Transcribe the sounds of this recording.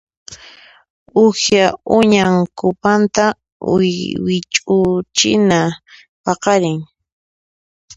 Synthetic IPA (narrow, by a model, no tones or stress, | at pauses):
ʊhjaʊɲaŋkʊpant̪a | ʊ̰jwɪt͡ʃʼʊt͡ʃɪna | pɑqɑɾɪŋ